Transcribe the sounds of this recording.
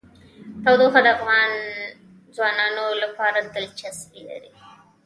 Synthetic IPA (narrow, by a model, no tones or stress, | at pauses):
t̪awd̪oxad̪aqwɑn | zwɑnɑnolapɑɾad̪əlt͡ʃaskila̰ɾi